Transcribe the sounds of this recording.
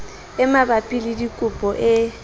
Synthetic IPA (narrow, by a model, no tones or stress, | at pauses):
ɪmabapʼilidikʼʊpʼɔʔɪ